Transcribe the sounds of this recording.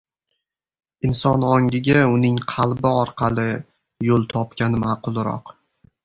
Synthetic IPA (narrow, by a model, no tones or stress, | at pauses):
ɪnsɒnɒŋʲɪɡʲaʊnɪŋqʰɑlˠbɪɒɾqʰɑlˠɪ | jolˠt̪ʰɒpkʲanɪmaːqʰʊlˠɾɒ̰q